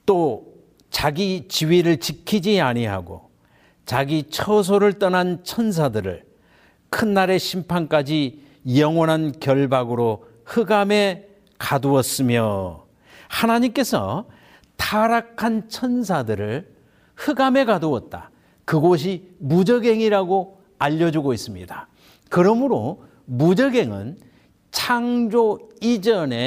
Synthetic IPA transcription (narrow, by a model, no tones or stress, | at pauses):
t͈o | t͡ɕaɡit͡ɕiɥiɾɯɭt͡ɕikʰid͡ʑiaɲiɦa̰ɡo̰ | t͡ɕaɡit͡ɕʰʌs̬ʰoɾɯɭt͈ʌnant͡ɕʰʌns̬ʰadɯɾɯ̰ɭ | kʰɯnːaɾe̞ɕʰimpʰank͈ad͡ʑi | jʌŋwʌnɦankjʌɭbaɡɯɾo | hɯɡame̞ | kaduʌs͈ɯmjo | hanaɲimk͈e̞sʰʌ̰ | tʰaɾakʰant͡ɕʰʌns̬ʰadɯɾɯɭ | hɯɡame̞kaduʌt̚t͈a̰ | kɯɡoɕ̬ʰimud͡ʑʌɡe̞ŋiɾaɡo | aʎːʌd͡ʑuɡois͈ɯmɲida | kɯɾʌmɯɾo | mud͡ʑʌɡe̞ŋɯ̰n | t͡ɕʰaŋd͡ʑoid͡ʑʌne̞